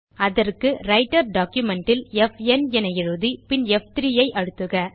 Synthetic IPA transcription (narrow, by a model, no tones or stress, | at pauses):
ɐðɐrkɯɾɐɪʈɐɾɖaːkjʊmɛɳʈɪlɛfɛnɛnɐjɪɻɯðipɪnɛft̪ɾɪjɐɪʔɐɻɯt̪ːɯɣɐ